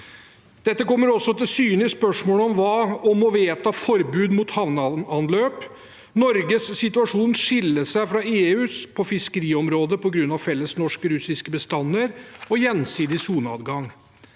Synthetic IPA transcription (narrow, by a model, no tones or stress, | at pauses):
d̪̥ɛt̪ːəkɔmːəɾɔsːɔt̪ɪlsyːnlɪəspœʂmoːləɔmʋɑːɔmɔʋeːt̪ɑfɔɾbʉːd̪muːt̪hɑʋnɑɑnløːp | nɔɾɡəsːɪt̪ʉɑʂuːnʂɪlːəʂæɪfɾɑeːʉːspʰɔfɪskəɾiːɔmɾoːd̪əpɔɡɾʉnːɑʋfɛlːəsnɔʂkəɾʉsɪskəbəst̪ɑnːəɾɔjɛnsiːd̪ɪsuːnɑ̰ːd̪ɡɑŋ